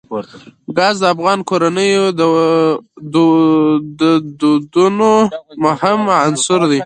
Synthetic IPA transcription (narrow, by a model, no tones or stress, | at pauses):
ɡɑzd̪əafɣɑnkoɾanəjod̪ə | d̪ud̪əd̪ud̪unomʊhɪmansʊɾd̪i